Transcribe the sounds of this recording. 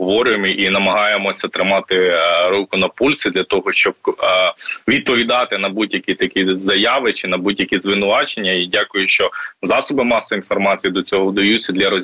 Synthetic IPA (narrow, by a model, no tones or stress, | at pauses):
ɔʋɔɾʲʊjemɪʔinɐmɐɦɑjemɔsʲɐt̪ɾɪmɑt̪ɪɾukʊnɐpulʲsɪd̪lʲɐt̪ɔɦɔʃt͡ʃɔb̚ | ʋʲid̪̚pɔʋʲid̪ɑt̪ɪnɐbudʲjɐkʲit̪ɐkʲizɐjɑʋɪt͡ʃɪnɐbudʲjɐkʲizʋɪnʊʋɑt͡ʃenʲːɐidʲakʊjʊʃt͡ʃɔzɑsɔbɪmɑsɔin̪fɔrmɑt͡sʲijid̪ɔt͡sʲɔɦɔwd̪ɐjut͡sʲːɐd̪lʲɐɾɔzʲ